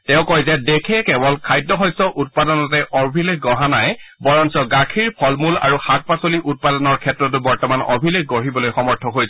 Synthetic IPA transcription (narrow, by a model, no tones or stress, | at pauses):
tɛ̃ʊ̃kɔjzɛdekʰɛkɛbɔlkʰajdːɔxɔjsɔʔut̚padɔnɔt̬ɛʔɔbʱilekɡɔɦanajbɔɹɔnsɔɡakʰiɹpʰɔlmula̰ɹuxat̚pasoliʔut̚padɔnɔɹkʰɛtːɹɔt̬ʊbɔɹtɔmanɔ̰bʱilekɡoɹibɔlojxɔmɔɹtʰɔɦojsɛ